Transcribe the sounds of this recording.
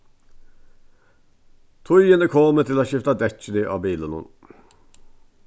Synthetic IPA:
t̪ʰʊjənəkʰoːmət̪ʰɪlaɕɪft̪ad̪ɛt͡ʃːənəʔɑ̰ːbiːlənə̰n

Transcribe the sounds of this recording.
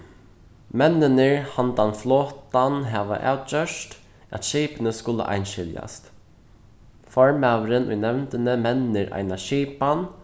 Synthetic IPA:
mɛnːɪnɪɹhant̪anflɔːt̪anɦaːʋa̰ʔa̰wt̪̚t͡ʃœʂt̪ | æ̰t̪ʃɛːpɪnəskʊlə̰ʔa̰jnʃɪlja̰st̪ | fɔɹmæːʋɾɪnʊ̰jnɛwnt̪ɪnəmɛnːɪɾʔa̰jnaʃiːpan

